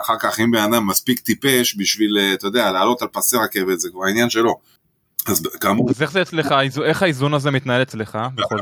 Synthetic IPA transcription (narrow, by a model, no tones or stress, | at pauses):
aχaʁkaχimbeanamːaspikt̪ipe̞ʃbiʃvilet̪ojd̪ealaːlo̞t̪alpaseʁakevetzekvaʁinjanʃe̞lo̞ | azbɡamuazeχzeet͡sleχaizuʔe̞χaizunazemit̪nae̞let͡sleχabo